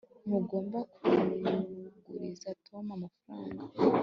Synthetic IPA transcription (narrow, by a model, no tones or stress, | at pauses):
muɡo̞ːmbakuɾniɡṵɾizatʰomamafaɾaːŋɡa